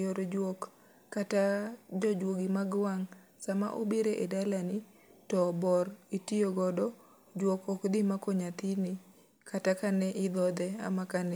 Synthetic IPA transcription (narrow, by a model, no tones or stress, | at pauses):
oɾod͡ʒwɔkː | atad͡ʒɔd͡ʒwoɡimaɡwaŋ | sama̰ʔobiɾeʔedalanɪ | tɔbɔɾitioɡɔdɔ | d͡ʒwɔkɔkd̪ɪmakɔɲat̪inɪ | katakanɛʔɪd̪ɔd̪ɛa̰makanɛ